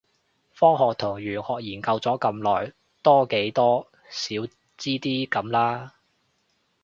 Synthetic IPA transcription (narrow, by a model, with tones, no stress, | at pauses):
fɔː˥ŋhɔː˨k̚t̪ʰʊ˨˩ŋɥyː˨˩nhɔː˨k̚jiː˨˩nkɐ˧wt͡sɔː˨˥kɐ˧mlɔː˨˩j | t̪ɔː˥ke˨˥jt̪ɔː˥ | siː˨˥w | t͡siː˥t̪iː˥kɐ˨˥mlaː˥